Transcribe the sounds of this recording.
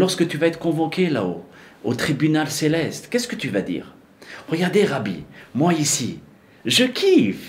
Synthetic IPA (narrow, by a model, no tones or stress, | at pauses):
lɔʁskət̪yvaɛt̪χə̥kɔ̃vokʲela̰o̰ | ot̪χibynalselɛst̪kʲɛskət̪yvad̪ḭːʁ | ʁəɡaʁd̪eʁabḭmwaisi | ʒəkʰʲif